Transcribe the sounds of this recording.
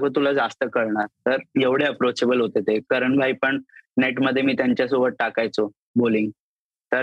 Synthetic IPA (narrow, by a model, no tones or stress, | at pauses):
kət̪ulad͡zast̪əkəɾɳaɾt̪əɾjeʋɽ̤eəpɾot͡ɕebəlɦot̪et̪ekəɾəɳbʱajpəɳneʈməd̪ʱjemiːt̪jaɲt͡ɕjasobəʈ̪̚ʈakajt͡so | boliŋɡ | t̪əɾ